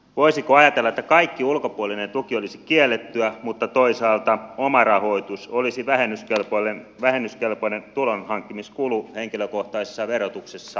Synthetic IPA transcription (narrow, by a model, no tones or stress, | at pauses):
ʋoisikoɑjɑt̪elːɑet̪ːækɑikːiulkopuolinent̪ukiolisikielːet̪ːyæmut̪ːɑt̪oisɑːlt̪ɑomɑrɑho̞it̪usolisiʋæhenːyskelpolenʋæhenːyskelpoinent̪ulonhɑŋkːimiskuluheŋkiløkoht̪ɑisesːɑʋerot̪uksesːɑ